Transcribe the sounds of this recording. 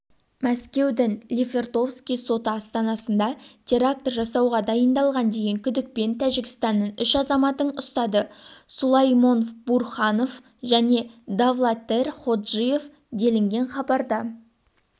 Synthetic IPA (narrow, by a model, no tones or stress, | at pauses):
mæskʲe̞wd̪ɪŋlʲivʲe̞rt̪o̞fskʲijso̞t̪əɑst̪ɑnɑsənd̪ɑt̪ʲʰe̞ɾak̚t̪orʒɑsɑwʁɑd̪ɑjənd̪ɑlˠʁɑnd̪e̞jeŋkʲʰʏd̪ɪk̚pe̞nt̪ʰæʒɪkʲɪ̥st̪ɑnːənʏʃɑzɑmɑt̪əɴʊst̪ɑd̪əsulˠɑjmo̞nburχɑno̞f | ʒæne̞d̪avlˠat̪e̞rχo̞d̪ʒije̞f | d̪e̞lɪŋɡʲe̞nχɑbɑɾd̪ə